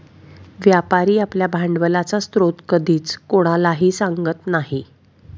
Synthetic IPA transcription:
ʋjapaɾiːapljabʱaɳɖʋəlat͡sast̪ɾot̪kəd̪iːt͡skoɽ̃alaɦiːsaŋɡət̪naɦi

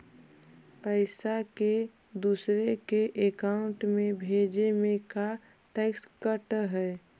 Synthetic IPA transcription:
pəɪsake | d̪uːsɾekeʔekaʊ̃ɳʈmẽbʱeːd͡ʒemẽka | ʈekskəʈɦɛː

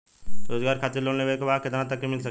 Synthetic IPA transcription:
ɾoːzɡaːɾkʰaːt̪eloːɽneʋekobaːkɪt̪nãt̪ɐkːemɪlsɐ

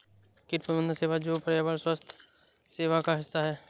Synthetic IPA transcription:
kɪʈpəbə̃nd̪ʱseːʋad͡ʒoːpəɾjabəlswəst̪ʰ | seːʋakaɦɪsːaɦɛː

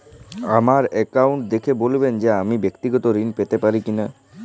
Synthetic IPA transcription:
amaɾɛkawuɳʈ̚d̪ekʰebolbend͡ʑeamibekt̪iɡɔt̪oɾinpet̪epaɾikina

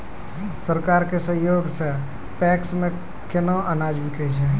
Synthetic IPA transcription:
səɾkaɾkesə̃ɦjoɡse | pɛksme | kʰenoʔənad͡ʒbikɛt͡ʃʰɛ

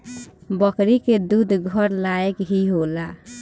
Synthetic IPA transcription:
bəkɾiked̪ud̪ʱɡʱəɾlaekɦiɦola

